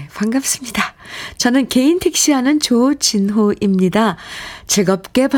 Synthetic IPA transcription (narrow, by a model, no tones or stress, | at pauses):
kwaŋɡap̚s͈ɯmɲidat͡ɕʌnɯnke̞intʰek̚ɕ͈iɦanɯnt͡ɕot͡ɕinɦoʔimɲidat͡ɕeɡʌp̚k͈e̞p